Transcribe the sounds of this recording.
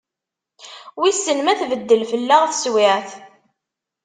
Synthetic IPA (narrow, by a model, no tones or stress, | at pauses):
wisːənmæθvəd̪ːəlfəlːaʁθə̥swɪʕθ